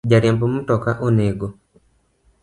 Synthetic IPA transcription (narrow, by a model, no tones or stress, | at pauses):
d͡ʒaɾjampɔmutɔkaʔonɛɡɔ